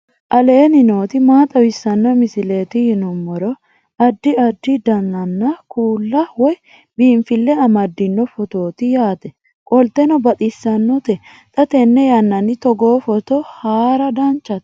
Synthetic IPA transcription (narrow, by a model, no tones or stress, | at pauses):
ʔɐleːnɪno̞ːt̪ɪmaːt̪ʼɐwɪsːɐnːɔmɪsɪle̞ːt̪ɪhɪnɔmːɔɾɔ | ɐd̪ːɪɐd̪ːɪd̪ɐnːɐnːɐkʰuːlːɐwɔj | biːɱfɪlːɛɐmɐd̪ːɪnːɔfɔt̪o̞ːt̪ɪjaːt̪ɛ | kʼɔlt̪ːɛnɔbɐt̪ʼɪsːɐnːɔt̪ɛ | t̪ʼɐt̪ɛnːɛjɐnːɐnːɪt̪ɔɡoːfɔt̪ɔhaːɾɐd̪ɐnt͡ʃːɐt̪